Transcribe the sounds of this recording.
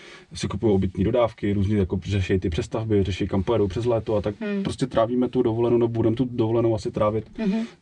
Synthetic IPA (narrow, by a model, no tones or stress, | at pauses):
sɪkupujowʔobɪt̪ɲiːdodaːfkɪɾuːzɲijakorɛʃɛjit̪ɪpr̥ɛst̪avbɪrɛʃɛjkampojɛdowpr̝̥ɛzlɛːt̪oat̪ak̚pɾo̞scʲɛt̪ɾʔaːviːmɛt̪udovolɛnownɛbobudɛmɛt̪udovolɛnowasɪt̪ɾaːvɪt̪